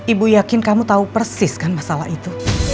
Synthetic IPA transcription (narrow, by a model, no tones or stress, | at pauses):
ibujakɪnkamut̪aupərsɪskanmasalahit̪u